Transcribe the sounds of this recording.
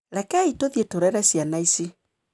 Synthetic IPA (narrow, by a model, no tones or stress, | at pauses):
ɾɛkɛitoðjetoɾɛɾɛsjanaisi